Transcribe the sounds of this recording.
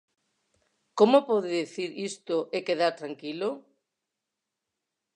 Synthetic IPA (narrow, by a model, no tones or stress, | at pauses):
komopɔðeðeθiɾist̪oʔekeðaɾt̪ɾaŋkilo